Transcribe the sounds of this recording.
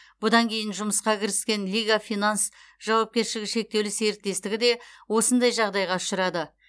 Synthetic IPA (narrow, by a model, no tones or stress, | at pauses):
b̥ʊd̪ɑŋkʲʰe̞jɪnʒʊməsqɑkʲʰɪɾɪskʲe̞nlʲijɡafijnans | ʒ̥ɑwɑp̚kʲe̞ɾʃɪlɡʲɪʃe̞k̚t̪e̞wlɪse̞ɾɪk̪̚t̪e̞st̪ɪɡʲɪd̪e̞wo̞sənd̪ɑjʒɑʁd̪ɑjʁɑʊ̥ʃəɾɑd̪ə